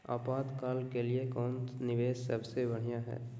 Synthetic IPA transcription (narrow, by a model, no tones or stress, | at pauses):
a̰ːpaːt̪kaːlkeliekɔːnnɪʋeːssəbsebɐɽ̤ijãɦɛ̰ː